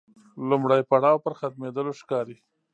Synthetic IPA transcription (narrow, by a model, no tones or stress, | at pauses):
lʊmɽajpaɽɑwpəɾxat̪med̪əloʃkɑɾi